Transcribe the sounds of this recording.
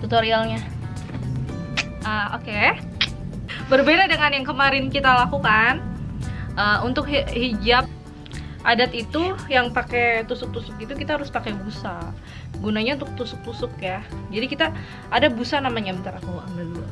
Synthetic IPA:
t̪ut̪oɾialɲa | əo̰ke | bərbedadəŋanjaŋkəmaɾɪnkit̪alakukan | ʔəunt̪ʊk̚hid͡ʒap̚ | ʔadat̪it̪ujaŋpaket̪usʊk̚t̪usʊkit̪ukit̪aɦaɾʊspakebusa | ɡunaɲaunt̪ʊk̚t̪usʊk̚t̪usʊkjad͡ʒadikit̪aː | dabusanamaɲabət̪aɾakua̰malul

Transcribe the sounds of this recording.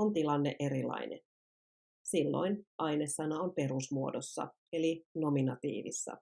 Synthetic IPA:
ont̪ilɑnːeʔe̞ɾilːɑ̰ine | silːo̞̰jnʔɑjnesːɑnɑompe̞ɾusmuo̞̰dosːɑ̰ | elino̞minɑt̪ḭːʋḭsːɑ̰

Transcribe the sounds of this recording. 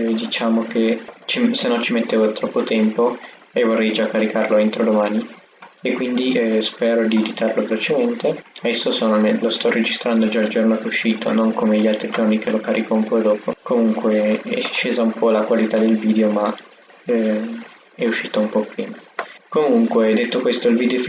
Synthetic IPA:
d̪it͡ʃaːmok̟ʰet͡ʃisenːɔnt͡ʃimet̪ːeːvot̪ɾɔpːot̪ɛmpo | evorːɛjd͡ʒakːaɾikarloent̪ɾod̪omaːni | ekːwind̪ispɛːɾod̪id̪it̪arlovelot͡ʃement̪eaɛsːosonomelost̪ɔrːed͡ʒist̪ɾand̪od͡ʒaːld͡ʒornok̟euʃːiːt̪ʰo̰noŋkomeʎialt̪ɾid͡ʒornik̟elokaɾʔikaumpɔd̪ɔːpokomuŋkweɛʃːeːzaumpʰɔlakwalit̪ad̪elviːd̪eoma | ɛ | ɛuʃːiːt̪aumpɔpːɾiːmakomuŋkwed̪et̪ːokwest̪oilvid̪eof

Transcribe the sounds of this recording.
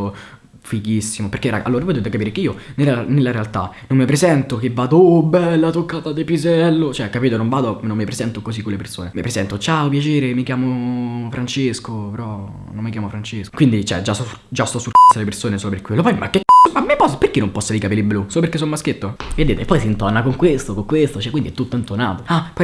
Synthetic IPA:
fikisːimoperɾkːerʔa̰ʔalːoːɾavod̪eːt̪ekapiːɾekeiːonelanelːaɾealt̪a̰nːomːepɾezɛnt̪ok̟evːaːd̪obːɛlːat̪okːaːt̪ad̪epizɛlːot͡ʃoɛkːapiːt̪onombaːd̪onomːepɾezɛnt̪okozikːolepersoːnemipɾezɛnt̪ot͡ʃaopjat͡ʃeːɾemikjaːmofɾʔant͡ʃeskopeɾɔ | nomːik̬jaːmofɾant͡ʃesko̥kwind̪it͡ʃɛ̰d͡ʒas | d͡ʒast̪ɔsːulkasːalepersoːnesoːloperkwelːopɔjmakːekːɔmamːepɔsperkinːompɔsːalikapelːiblusoːloperkːesːonmask̟et̪ːoead̪ːeːt̪epːɔjsint̪ɔnakoŋkwest̪okoŋkwest̪ot͡ʃɛkːwind̪iɛt̪ːut̪ːoent̪ona̰ːt̪oapɔ

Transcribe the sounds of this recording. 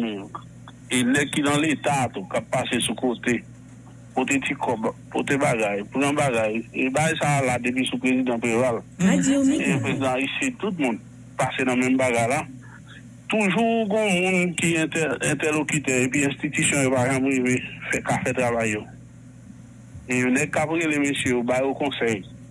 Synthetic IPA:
mek | elɛkidãlet̪at̪ukapːasesukot̪e | kot̪etikɔbpot̪ebaɡajpʁãbaɡajebaɡajsaladep̬isupʁezid̪ãpʁeval | epezid̪ãaiset̪ut̬̚mũn | pasenãmɛ̃mbaɡajla | t̪uʒuɡɔ̃mũnkiɛ̃tɛɛ̃t̪ɛlokytɛep̬ɥiɛ̃st̪it̪ysjɔ̃jopaʒãpɣivefɛkafɛt̪ʁavajːo | eonɛɡ̚kapɣelemesjejobajokɔ̃sɛj

